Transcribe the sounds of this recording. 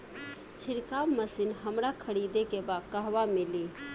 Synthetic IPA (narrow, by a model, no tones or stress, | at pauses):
t͡ʃʰiɾkawməsinɦəmɾakʰəɽid̪ekebad̪kəɦʋamili